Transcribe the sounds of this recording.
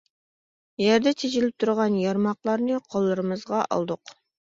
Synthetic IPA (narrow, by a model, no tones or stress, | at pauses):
jɛɾd̪ɛt͡ʃ̪ʰed͡ʒɪlɪp̚t̪ʰuɾʁɑnjɑɾmɑqlˠɑɾnɨqʰolˠːɨɾɨmɨzʁɑʔɑ̰lˠd̪ʊq